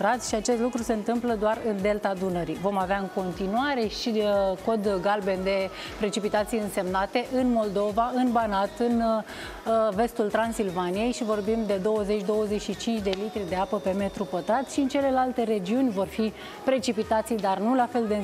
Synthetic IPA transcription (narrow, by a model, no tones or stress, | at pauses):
t̪ɾat̪sʲʃiat͡ʃe̞st̪lukɾuse̞ɨnt̪ɨmpləd̪oarɨnd̪e̞lt̪ad̪unəɾivo̞maveaɨŋko̞nt̪inuaɾe̞ʃiko̞d̪ɡalbe̞nd̪e̞ | pɾe̞t͡ʃipit̪at̪sijɨnse̞mnat̪e̞ʔɨnmo̞ld̪o̞vaɨnbanat̪ɨn | ve̞st̪ult̪ɾansilvanije̞jʃivo̞rbimd̪e̞d̪o̞wəze̞t͡ʃʲd̪o̞wəze̞t͡ʃʃit͡ʃint͡ʃd̪e̞lit̪ɾid̪e̞apəpe̞me̞t̪ɾupət̪ɾat̪ʲʃiɨnt͡ʃe̞le̞lalt̪e̞ɾe̞d͡ʒiunʲvo̞rfi | pɾe̞t͡ʃipit̪at̪sijd̪arnulafe̞ld̪e